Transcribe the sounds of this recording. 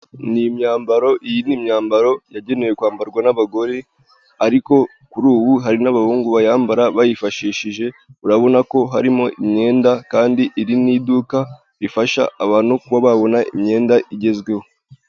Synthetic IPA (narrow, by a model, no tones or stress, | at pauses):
niimɲaːmbaɾo̞ʔijinimɲaːmbaɾo̞jaɟe̞ne̞je̞kwaːmbaɾɡwanaβaɡo̞ɾe̞ | aɾiko̞ | kuɾuːβuɦaɾinaβahuːŋɡuβajaːmbaɾaβajifaʃiːʃiʒe̞uɾaβo̞nako̞ɦaɾimo̞ʔimɲe̞ːndakaːndiʔiɾiniːduka | ɾifaʃa̰ʔːβaːn̥hukuβaβaβo̞naʔimɲe̞ːndaʔiɟe̞zɡwe̞ho